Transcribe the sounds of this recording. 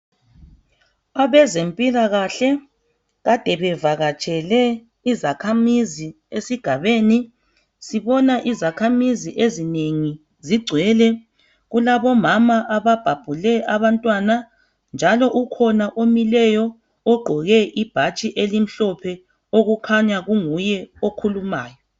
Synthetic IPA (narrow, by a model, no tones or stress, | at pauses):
aβɛzempʼilaɣaɬɛ | ɣad̥ʱɛβɛvaɣat͡ʃʼɛlɛ | izakʰamizi | esiɡ̥ʱaβeːni | siβɔnaʔizakʰamiziʔezineŋi | ziɡ͡ǀʱwɛlɛ | ɣulaβɔmamaʔaβab̥ʱab̥ʱulɛʔaβantʼwana | nd͡ʒʱalɔʔukʰɔnaʔomilɛjɔ | ɔɡ͡ǃʱɔɣɛʔib̥ʱat͡ʃʼiʔelim̩ɬɔpʰɛ | oɣukʰaɲaɣuŋujɛokʰulumaːjɔ